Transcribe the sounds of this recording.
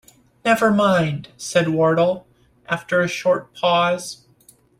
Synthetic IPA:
nɛvə˞mãɪ̃nd̥sɛd̚wɔɹɾl̩ˠ | ʔæftə˞ɨʃɔɹt̚pʰɔz̥

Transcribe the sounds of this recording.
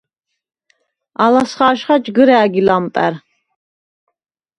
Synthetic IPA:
alasχaːʃχad͡ʒɡəɾɛːɡilamp̪ʼæ̰ɾ

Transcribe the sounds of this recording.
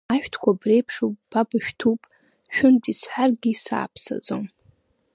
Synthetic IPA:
aʃᶣtʰkʷʰabre̞jpʰʂupʼb̥abaʃᶣtʰupʼ | ʃᶣʊntʼisħʷarɡʲisa̰ːpʰsa̰d͡zo̰m

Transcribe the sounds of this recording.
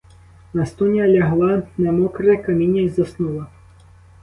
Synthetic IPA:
nɐst̪unʲjalʲɐɦlˠɑnɛmɔkɾɛkɐmʲinʲːɐizɐsnulˠɐ

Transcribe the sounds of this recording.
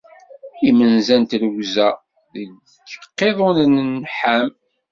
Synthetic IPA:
imənzænt̪ləwzæ | ðəɡ | qːeðˤonnnħæm

